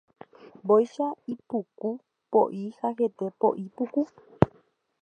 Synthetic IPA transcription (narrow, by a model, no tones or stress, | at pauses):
bojʃaipuku | poʔihahe̞t̪epo̰ʔipuku